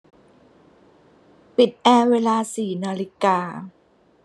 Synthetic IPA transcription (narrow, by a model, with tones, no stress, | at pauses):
pi˨˩t̪̚ʔɛː˧weː˧laː˧siː˨˩naː˧li˦˥kaː˧